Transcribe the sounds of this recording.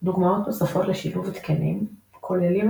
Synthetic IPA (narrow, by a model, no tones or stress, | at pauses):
d̪uɡmao̞t̪besafoʁleʃiluvt̪kenḭmkʰolelim